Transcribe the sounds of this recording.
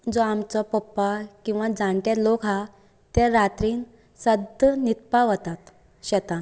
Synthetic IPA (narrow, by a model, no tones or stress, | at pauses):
d͡zoamt͡sɔpəpːakĩw̃ʋad͡zãɳʈaɾlokɦa | t̪eɾat̪ɾiːn | səd̪ənit̪paʋət̪at̪ | ɕɛt̪ã